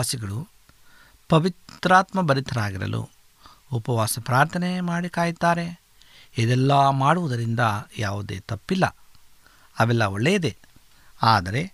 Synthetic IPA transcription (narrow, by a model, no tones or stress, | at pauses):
aːsiɡɐɭu | pɐʋit̪ɾaːt̪mɐbɐɾit̪ʰɐɾaːɡiɾɐ̰lʔṵ | upɐʋaːsɐpɾaːɾt̪ʰɐnemaːɽikaːjit̪ːaːɾe̞ | ed̪ɛlːɐmaːɽuʋud̪ɐɾind̪ɐjaːʋud̪ḛːt̪ɐpːilːɐ̰ | ɐʋɛlːɐoɭːejd̪e | aːd̪ɐɾe̞